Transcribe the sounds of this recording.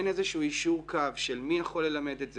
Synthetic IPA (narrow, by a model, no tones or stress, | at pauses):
nezeʃuuːiʃuʁkʰavʃelmijaχo̞lːe̞lame̞d̪etz